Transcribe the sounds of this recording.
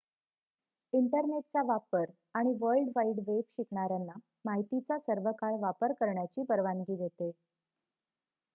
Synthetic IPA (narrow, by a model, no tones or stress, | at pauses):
iɳʈəɾneʈ̚t͡saʋapəɾ | aɽ̃iʋəlɖʋaiɖʋebɕikɳaɾjanːa | maɦit̪it͡sasəɾʋəkaɭʋapəɾkəɾɳjat͡ɕiːpəɾʋanɡiːd̪ʱet̪e